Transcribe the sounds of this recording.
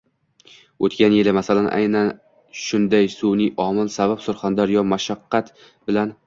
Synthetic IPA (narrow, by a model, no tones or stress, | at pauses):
ot̪kʲanjɪlɪmasalanʔa̰jnan | ʃʊnd̪ajsunɪʔɒmɪlsabapsʊɾχand̪aɾjɒmaʃaqːɑt̪ | bɪlan